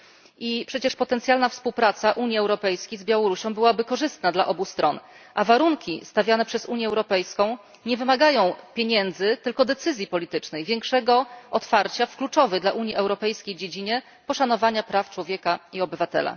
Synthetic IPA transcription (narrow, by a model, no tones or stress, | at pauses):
ʔipʂɛt͡ɕɛʂpɔt̪ɛnt̪sʲjalnafspuwpɾat̪saʔuɲjiɛwɾɔpɛjskʲejzbʲjawɔɾuɕɔ̃w̃bɘwabɘkɔʐɘst̪nad̪laʔɔbust̪ɾɔn | ʔavaɾuŋkʲist̪avʲjanɛpʂɛzuɲjɛɛwɾɔpɛjskɔ̃w̃ | ɲɛvɘmaɡajɔ̃w̃pʲjeɲɛnd̪zɘt̪ɘlkɔd̪ɛt̪sɘzʲjipɔlʲit̪ɘt͡ʂnɛjvʲjɛŋkʂɛɡɔɔt̪faɾt͡ɕafklut͡ʂɔvɛd̪laʔuɲjiʔɛwɾɔpɛjskʲejd͡ʑed͡ʑiɲɛ | pɔʂan̪ɔvaɲapɾaft͡ʂwɔvʲjɛkaiɔbɘvat̪ɛ̰la̰